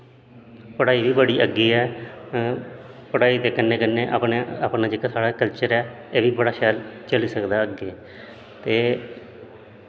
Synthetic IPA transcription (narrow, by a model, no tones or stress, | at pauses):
pəɽaːiːʋiːbəɽiːʔəɡːiːɛː | pəɽaːiːt̪eːkɪnːeːkənːeːʔa̰pɳeːapnaːd͡ʒɪkaːsaːɽaːkəlt͡ʃəɾɛː | eːʋiːbəɽaːʃɛːlt͡ʃəliːsəkd̪aːəɡeː | t̪eː